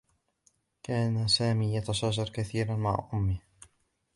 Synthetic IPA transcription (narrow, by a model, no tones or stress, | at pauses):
kaːnasaːmiːjɑt̪ɑʃɑːʒɑɾˤkaθiːɾanma̰ʕʔʊmːɪh